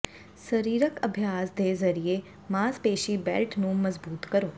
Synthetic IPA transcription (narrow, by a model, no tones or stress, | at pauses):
səɾiːɾəkəbʱjaːsd̪eːzəɾie | maːzpeːʃiːbɛ̰ːlʈnũːməzbuːt̪kəɾoː